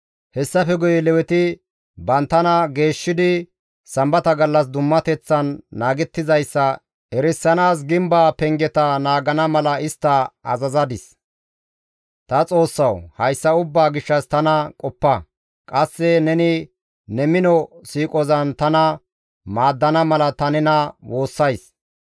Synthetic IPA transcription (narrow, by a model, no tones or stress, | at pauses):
hɛsːɐfɛɡʊjlɛwɛt̪ɪ | bɐnt̪ːɐnɐɡe̞ːʃːɪd̪ɪ | sɐmbɐt̪ɐɡɐlːɐsd̪ʊmːɐt̪ɛt͡sːɐnːaːɡɛt̪ːɪzɐjsːɐ | ʔɛɾɪsːɐnaːs̬ɡɪmbaːpɛŋɡɛt̪ɐnaːɡɐnɐmɐlɐɪst̪ːɐɐ̰zɐzɐd̪ɪs | t̪ɐt͡sʼo̞ːsːɐwhɐjsːɐʊbːaːɡɪʃːɐst̪ɐnɐkʼɔpːɐ | kʼɐsːɛnɛnɪ | nɛmɪnɔsiːkʼɔzɐnt̪ɐnɐ | maːd̪ːɐnɐmɐlɐt̪ɐnɛnɐwo̞ːsːɐjs